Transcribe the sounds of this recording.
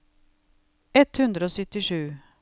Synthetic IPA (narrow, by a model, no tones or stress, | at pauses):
ɛt̪hʉnd̪ɾəoːsʏt̪ɪʂʉː